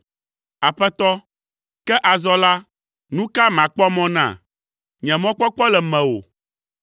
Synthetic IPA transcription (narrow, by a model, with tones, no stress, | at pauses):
a˨ɸɛ˦t̪ɔ˦ | kɛ˦ʔa˨zɔ˦la˦ | nũ˦ka˦mã˨k͡pɔ˦mɔ̃˦nã̰˦˨ | ɲɛ̃˨mɔ̃˦k͡pɔ˦k͡pɔ˦lɛ˨mɛ̃˨wo̰˨